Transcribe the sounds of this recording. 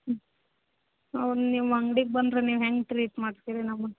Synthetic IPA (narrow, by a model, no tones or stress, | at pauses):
ɐʋɐnniːʋɐŋɡɽik̚bɐnd̪ɾeniːʋɦeŋɡʈɾiːʈmaːɽt̪iɾinɐmːɐ